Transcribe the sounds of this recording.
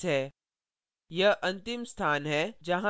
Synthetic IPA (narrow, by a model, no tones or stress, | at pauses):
ɦɛː | jɐɦʔɐ̃nt̪ɪmst̪ʰaːnɦɛːd͡ʒɐɦã